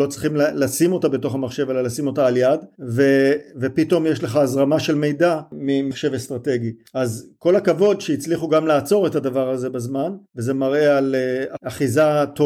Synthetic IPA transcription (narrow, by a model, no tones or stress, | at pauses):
ot͡sʁiχimlasimo̞tabe̞to̞χamaχʃe̞ve̞lalasimo̞taːljadvevepito̞mjeʃle̞χaazʁamaʃe̞lme̞jdamimaχʃe̞vest̪ʁate̞ɡiʔazko̞lakavo̞dʃejit͡sliχuɡamlaːt͡so̞ʁe̞tadavaʁaze̞bazmanveze̞maʁe̞aleaaχizat̪o